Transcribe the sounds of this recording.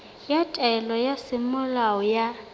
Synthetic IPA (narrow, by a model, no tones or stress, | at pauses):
jatʼɛlɔjasɪmʊlaɔja